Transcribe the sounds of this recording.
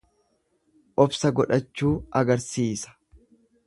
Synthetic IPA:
ʔɔbsɐɡɔᶑɐt͡ʃːuːɐɡɐɾsiːsɐ̥

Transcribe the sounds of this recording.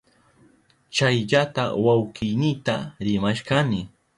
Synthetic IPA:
t͡ʃajʎat̪a̰wawkɪjnɪt̪aɾɪmaʃkanɪ

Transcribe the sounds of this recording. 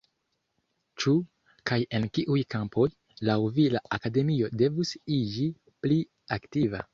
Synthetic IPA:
t͡ʃu | kaje̞nkiʔujkampo̞j | lawvilaʔakade̞mio̞de̞vusid͡ʒi | pli | aktiva̰

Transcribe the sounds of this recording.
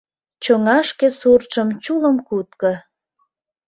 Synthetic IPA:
t͡ɕoŋɑʃkesurt͡ʃəmt͡ɕuləmkut̪kə

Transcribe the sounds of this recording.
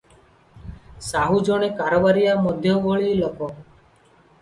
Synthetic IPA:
saɦud͡ʒɔɽ̃ekaɾɔbaɾijamɔd̪ʱjɔʋoɭilɔkɔ

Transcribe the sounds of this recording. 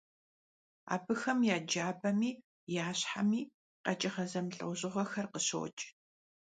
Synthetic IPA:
a̰ːbɨxɐmjaːd͡ʒaːbɐmiː | jaːɕħa̰miː | qɐ̰t͡ʃʼɪχɐzɐmɬʼɨ̰wʑɪʁɐxɐrqəɕo̰ːt͡ʃʼ

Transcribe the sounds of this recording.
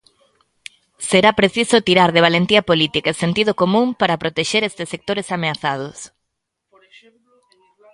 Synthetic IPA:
seɾapɾeθisʊt̪iɾaɾðeβalent̪iɐpolit̪ikaesent̪iðʊkomũmpaɾɐpɾot̪eʃeɾest̪ɪsek̚t̪oɾesameaθað̞os

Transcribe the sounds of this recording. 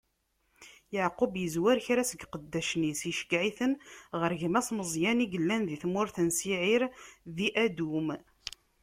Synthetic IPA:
jəʕqʊbjəzwæɾçɾæsəɡqəd̪ːæʃnisjəʃkʕiθənʁəɾʝmæsməzˤjæniɡəlːænðiθmʊɾθənsiʕiɾðiʔæd̪um

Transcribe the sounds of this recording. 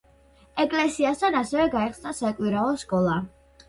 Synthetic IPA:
ɛkʼlɛsiast̪ʰanasɛvɛɡaɛχsnasakʼwiɾaɔskʼɔlˠa

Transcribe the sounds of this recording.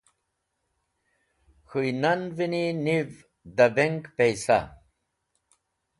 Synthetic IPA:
xujnɐnvininiv | d̪ɐbeŋkpejsa̰

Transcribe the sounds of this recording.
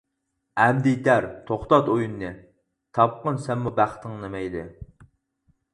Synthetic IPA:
æmd̪it̪æɾt̪ʰoχt̪ɑt̪ojunːɨ | t̪ʰɑp̚qənsɛmmubæχt̪ʰɨŋnemɛjd̪ɪ

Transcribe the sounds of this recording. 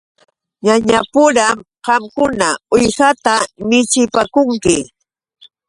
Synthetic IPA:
ɲaɲapʊɾam | ɢɑmkʊnaʊjhat̪amɪt͡ʃɪpakʊŋkɪ

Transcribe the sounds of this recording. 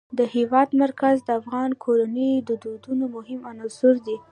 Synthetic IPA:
d̪əhewɑd̪maɾkazd̪əafɣɑnkʰoɾanəjd̪əd̪od̪unomʊɦɪmanɑzʊɾd̪i

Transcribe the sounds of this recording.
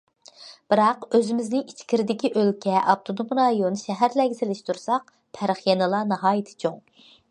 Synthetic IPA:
b̥ɨɾɑqøzɪmɪznɪŋit͡ʃʰkʲʰiɾɪd̪ɪkʲiʔølkʲʰɛʔɑp̚t̪ʰod̪omɾɑjonʃɛɦæɾlɛɡʲɪsɪlɪʃt̪ʰuɾsɑq | pʰæɾχjɛnɨlˠɑnɨɦɑːjit̪ʰɪ̥t͡ʃʰoŋ

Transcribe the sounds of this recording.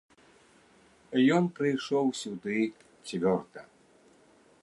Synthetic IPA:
jɔnpɾɨjʂɔwsʲud̪ɨ | t͡sʲvʲɔrt̪ɐ

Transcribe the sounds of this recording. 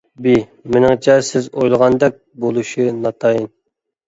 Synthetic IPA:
bi | mɪnɨŋt͡ʃʰɛsɪzojlˠəʁɑnd̪ɛk̚ʲ | bolˠuʃinɑt̪ʰɑjin

